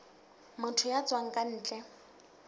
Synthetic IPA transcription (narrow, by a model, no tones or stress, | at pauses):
mʊtʰʊjat͡sʼwaŋ̩kʼan̩ːt͡ɬʼɛ